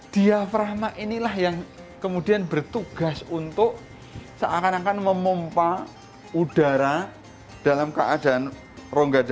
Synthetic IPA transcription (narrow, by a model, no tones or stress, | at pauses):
d̥iafɾaɦmaʔinilahjaŋ | kəmudianbərt̪uɡ̥a̤sunt̪ʊʔ | saʔakanakanməmompa | ud̥aɾa | d̥alamkəʔada̤ʔan | roŋɡada